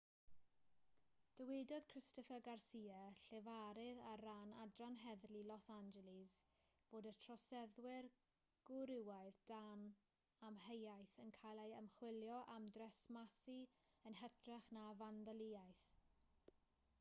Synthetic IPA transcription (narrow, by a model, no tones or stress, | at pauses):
d̥əwɪdɔð̥kʰr̥ɪstəfəɡarsiːaɬɛvaɾɪðaranadranɦɛðlilɔsand͡ʒɛlɪz | b̥oːdətʰrɔsɛðwɪr | ɡ̥ʊɾɪwajðdan | amɦejajθənkʰajlˠejəmχwɪljɔʔamdrɛsmasiənɦɛtʰrɛχnavandaliːajθ